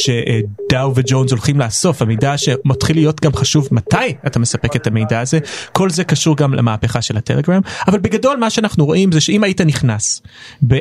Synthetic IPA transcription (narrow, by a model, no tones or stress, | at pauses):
ʃeʔd̪̥awved͡ʒo̞nzolχimlaːso̞famejdaʃe̞matχilːijo̞tɡamχaʃuvmatajatame̞sape̞ketame̞jdaːze̞ko̞lze̞kaʃuʁɡamlʔa̰maːpeχaʃe̞lhateleɡʁamavalbeɡado̞lmaʃeanaχnuʁo̞ʔimzeʃeimajitaniχnas | be